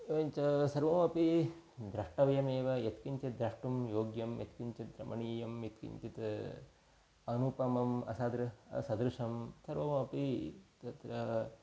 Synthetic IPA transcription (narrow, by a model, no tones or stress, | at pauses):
ɲt͡ʃɐsɐɾʋɐmɐpid̪ɾɐʂʈɐʋɐjɐmeːʋɐjet̪kiɲt͡ʃit̪d̪ɾɐʂʈumjoːɡjɐmjḛt̪kiɲt͡ʃid̪ɾɐ̰mʔɐɳiːjɐmjet̪kḭɲt͡ʃit̪ | ɐnupɐmɐmɐ̰sad̪ɾɐɐ̰sɐd̪ɾuʂɐmsɐɾʋɐmɐpit̪ɐt̪ɾɐ